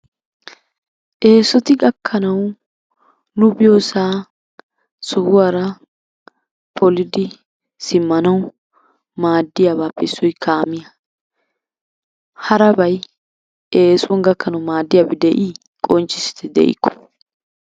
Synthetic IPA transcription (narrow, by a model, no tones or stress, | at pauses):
ʔe̞ːsɔt̪ɪɡʼɐkːɐnɐw | nʊbɪjoːsaː | sʊhʊwaːɾɐ | pʰɔlɪd̪ɪ | sɪmːɐnɐw | maːd̪ːɪjaːβaːpːɛɪsːɔjkʰaːmɪjɐ | hɐɾɐbɐj | eːsʊɔnɡɐkːɐnɐwmaːd̪ːɪjaːbɛd̪ɛʔiː | kʼɔnt͡ʃːɪsɪ̥t̪ɛd̪ɛ̰ʔɪ̰kːɔ̥